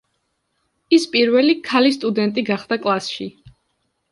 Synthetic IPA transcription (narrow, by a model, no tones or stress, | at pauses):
ispʼiɾvɛlikʰalist̪ʼud̪ɛnt̪ʼiɡaχd̪akʼlˠasʃḭ